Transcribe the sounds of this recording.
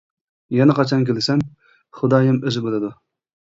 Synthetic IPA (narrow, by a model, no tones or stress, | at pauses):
jɛnɪqɑt͡ʃʰɑnkʲʰelɪsɛm | χʊd̪ɑːjɛmøzɪbølˠɨd̪u